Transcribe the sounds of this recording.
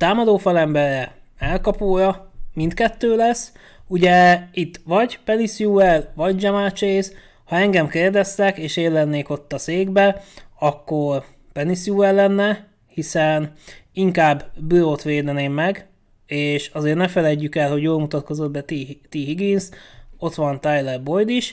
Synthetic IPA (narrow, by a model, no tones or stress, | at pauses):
t̪aːmɒd̪oːfɒlɛmbɛrɛɛlkɒpoːjɒmint̪kɛt̪ːøːlɛsː | uɟɛit̪ːʋɒɟpɛnisjuɛlʋɒɟd͡ʒɛmaːt͡ʃeːz | hɒɛŋɡɛmkeːrd̪ɛst̪ɛkeːʃeːlːɛnːeːko̞t̪ːɒseːɡbɛɒkːo̞r | pɛnisjuɛlːɛnːɛ | hisɛniŋkaːbːbyɾoːt̪ʋeːd̪ɛneːmːɛɡ | eːʃɒzeːrnɛfɛlɛɟːykɛlho̞ɟjoːlmut̪ɒt̪̚ko̞zo̞d̪̚bɛt̪it̪iɦiɡinso̞t̪ʋɒnt̪ajlɛrbo̞jd̪iʃ